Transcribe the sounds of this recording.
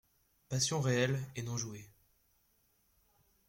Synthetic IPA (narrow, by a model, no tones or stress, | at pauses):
pasjɔ̃ʁeɛlenɔ̃ʒue